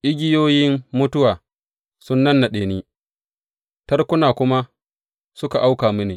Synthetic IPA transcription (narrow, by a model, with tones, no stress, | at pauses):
ʔɪ˦ɡʲɪ˦joː˦jɪ˦mːʊ˦tʊ˦waː˨ | sʊ˦nːɐ˦nːa˨ɗeː˨niː˦ | tɐ˦rkʷʊ˦naː˨kʷʊ˦ma˦ | sʊ˦ka˨ʔa˦wkaː˨mʊ˦neː˨